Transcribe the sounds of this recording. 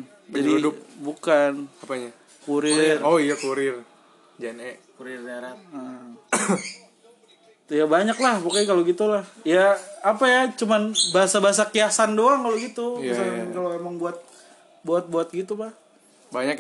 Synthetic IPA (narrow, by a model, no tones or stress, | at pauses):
d͡ʒadiudʊbukanapaɲa | kuɾɪroijakuɾɪr | d͡ʒanɛkuɾɪrnaɾat̪̚ə | jabaɲaklahpokajkaloɡit̪ulahjaːpajat͡ʃumanbaɦasabaɦas̬akiasandoaŋkaloɡit̪uisaakaloemaŋbuat̪̚ | buat̪̚buat̪̚ɡit̪upah | baɲak